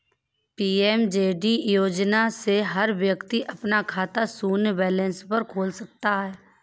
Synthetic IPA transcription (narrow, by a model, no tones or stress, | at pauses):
piːɛːmd͡ʒeːɖijoːd͡ʒnaseɦəɾʋjəkt̪iʔəpnakʰaːt̪asuːnbɛːlə̃nspəɾkʰoːlsək̚t̪aɦɛː